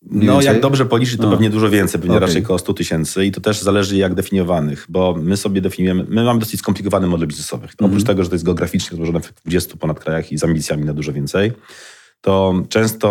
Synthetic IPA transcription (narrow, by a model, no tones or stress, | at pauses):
nɔjaɡd̪ɔbʐɛpɔlʲit͡ʂ̬ɘt͡ɕt̪ɔpɛvɲɛd̪uʐɔvʲjɛnt̪sɛjpɛvɲɛɾat͡ʃɛjkɔst̪ut̪ɘɕɛnt̪sɘit̪ɔt̪ɛʐzalɛʐɘjjaɡd̪ɛfʲiɲɔvanɘxbɔmɘsɔbʲjɛd̪ɛfʲiɲujɛmɘːɘmamɘd̪ɔsɘt͡ɕʲskɔmplʲikɔvanɘmɔd̪ɛlbʲiznɛsɔvɘʔɔpɾut͡ʃt̪ɛɡɔʐɛt̪ɔjɛst̪ɡɛɔɡɾafʲit͡ʂɲɛɾɔzwɔʐɔnɛvɛd̪vud͡ʑɛst̪upɔnat̪̚kɾajaxizambʲit̪sʲjamʲinad̪uʐɔvʲɛnt̪sɛj | t̪ɔt͡ʂɛ̃w̃st̪ɔ